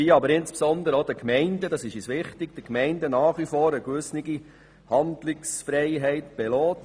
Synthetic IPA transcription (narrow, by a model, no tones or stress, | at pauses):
iːɑbəɾɪnspsɔnd̪əɾodəkmɛɪnd̥ədɑsɪʃiːsʋɪχtɪɡ̥̚d̥əkmɛɪndənɑːχʋifoːɾəɡʋʏsnɪɡi | hɑndlɪksfɾɛɪɦɛɪtb̥ɛlɔːt